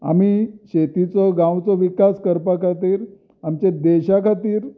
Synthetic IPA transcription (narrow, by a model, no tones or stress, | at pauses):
a̰miɕet̪it͡sɔɡãwt͡sɔʋikaskəɾpakʰat̪iːɾ | amt͡ɕed̪eɕakʰat̪iːɾ